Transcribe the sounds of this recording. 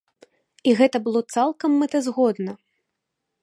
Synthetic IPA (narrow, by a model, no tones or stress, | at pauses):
iɣɛt̪ɐbɨlˠɔt̪salˠkɐmːɛt̪ɐzɣɔd̪nɐ